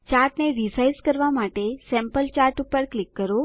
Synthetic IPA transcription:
t͡ʃaɾʈneɖisajskəɾʋamaʈesɛ̃mpəlt͡ʃaɾʈupəɾklikːəɾo

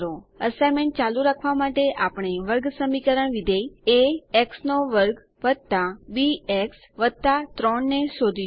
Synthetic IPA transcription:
ɾoəsajmeɳʈ̚t͡ʃaluɾakʰʋamaʈeʔapəɳ̃eʋəɾɡsəmikəɾəɳʋid̪ʱejeeksnoʋəɾɡ | ʋəd̪̚t̪abieks | ʋət̪at̪ɾɔɳːeʃod̪ʱi

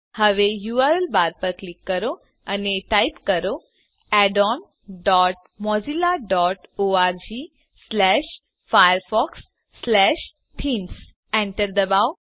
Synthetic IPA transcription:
həʋejuaɾəlbaɾpəɾklikːəɾo | əneʈajpkəɾo | ɛɖɔn | ɖɔʈ̚ | mɔd͡ʑilaɖɔʈoaɾd͡ʑi | slɛʃ | fajəɾfɔksː | lɛʃ | t̪ʰiːns | ɛ̃ɳʈəɾd̪əbaʋ

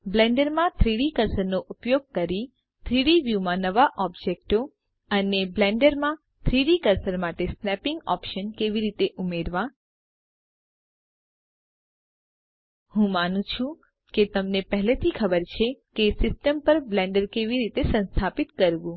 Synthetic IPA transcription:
blɛ̃ɳɖəɾmãt̪ʰɾiɽikəɾsəɾnoʔupjoɡ̚kəɾi | t̪ʰɾiɽiʋjumãnəʋaʔɔbd͡ʒek̚ʈo | əneblɛ̃ɳɖəɾmã | t̪ʰɾiɽikəɾsəɾmaʈesnɛpɪŋɡɔ̰pʃənkeʋiɾit̪eʔumeɾʋã | hũmanũt͡ʃʰũ | ket̪əmnepəɦlet̪ʰikʰəbəɾt͡ʃʰekesɪsʈəmpəɾblɛ̃ɳɖəɾkeʋiɾit̪esə̃nst̪ʰapit̪kəɾʋũ

